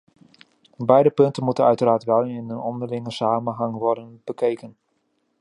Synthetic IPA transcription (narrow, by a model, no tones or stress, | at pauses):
bɛjdəpɵntənmutənœɥtəraːtʋɛlˠɪnənɔndərlɪŋəsaːmənɦaŋʋɔrdənb̥əkʰejkən